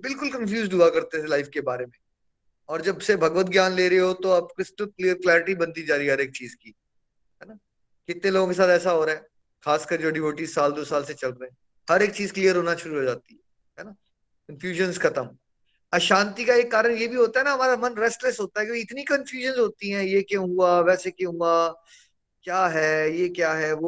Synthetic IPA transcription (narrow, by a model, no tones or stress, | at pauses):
bɪlkʊlkɐ̃nfjuːzɖʱɦuakɐɾt̪et̪ʰelaɪfkebaːɾemẽ | ɔːɾd͡ʒɐbsebʱɐɡʋət̪̚ɡjaːnleːɾɐeɦot̪oɐb̚kɪsʈəlkliːəɾklɛːɾɪʈibɐ̃nt̪id͡ʒaːɾiɛɦɐɾeːk̚t͡ʃiːzki | ɦɛːna | kɪt̪nẽloːɡõkes̬aːt̪ɛːs̬aɦoːɾaɦɛː | xaːskɐɾd͡ʒoːɖɪʋoːʈiːzsaːld̪oːsaːlset͡ʃɐlɾəɛ̃ | hɐɾeːk̚t͡ʃiːzklijəɾɦoːnaʃʊɾuɦoːd͡ʒaːt̪iɦɛ | ɦɛːna | kənfjuːʒə̃nzkʰɐt̪əm | ɐʃãːnt̪ikaeːkːaːɾəɽjebʱiɦoːt̪aɦɛnaɦɐmaːɾamɐnɾɛːsʈlesɦoːt̪aɦɛkiɪt̪nikənfjuːʒənzɦoːt̪iɦɛ̃ːjekjõːɦuaʋɛːsekõːɦʊa | kjaːɦɛːjeːkjaːɦɛʋo